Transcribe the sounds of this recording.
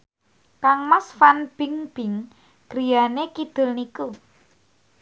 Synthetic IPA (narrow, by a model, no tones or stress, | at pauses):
kaŋmasfanb̥ɪŋb̥ɪ̤ŋ | ɡ̥ɾijanekid̪̥ʊ̤lniku